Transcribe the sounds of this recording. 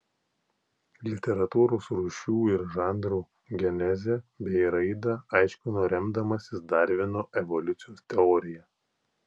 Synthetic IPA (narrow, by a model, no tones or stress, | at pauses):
lʲɪt̪ʲɛɾɐt̪uːɾoːsɾuːʃʲuːɪɾʒɑˑnd̪ɾuː | ɡʲɛnʲɛzʲɛbʲɛɪɾɐɪd̪ɐɐɪʃʲkʲʊnʊɾʲɛmd̪ɐmɐsʲɪsd̪ɑˑɾʲʋʲɪnoːʔɛʋɔlʲʊt̪sʲɪjoːst̪ʲɛɔːɾʲɪjɛ